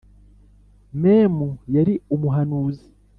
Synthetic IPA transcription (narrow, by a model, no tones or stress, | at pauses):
meːmujaɾiumuɦanuːzi̥